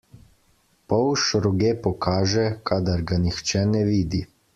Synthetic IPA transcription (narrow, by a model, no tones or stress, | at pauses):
pɔwʃɾɔɡeːpɔkʰaːʒɛkʰaːd̪aɾɡanixt͡ʃɛnɛʋiːd̪i